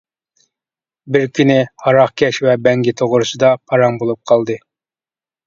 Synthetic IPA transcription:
bɪɾkʲʰynɪhɑɾɑχkʲʰɛʃvɛbɛŋɡʲit̪ʰoʁʊɾɨsɨd̪ɑpʰɑɾɑŋbolˠup̚qʰɑlˠd̪ɨ

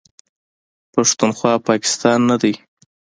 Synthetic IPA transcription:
paʂt̪unxwɑpɑkɪ̥st̪ɑnːad̪aj

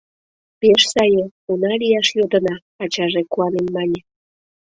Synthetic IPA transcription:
peʃsɑjəunɑlijɑʃjod̪ə̆nɑː | t͡ɕɑʒekuɑnemmɑnʲə̆

